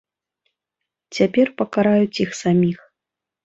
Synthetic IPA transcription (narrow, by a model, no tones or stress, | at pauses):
t͡sʲapʲɛrpɐkaɾajut͡sʲixsamʲix